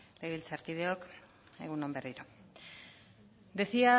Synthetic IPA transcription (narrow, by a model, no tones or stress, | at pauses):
leɣilt͡saɾkið̞e̞ok | e̞̰ɣuno̞mberiɾa | d̪eθia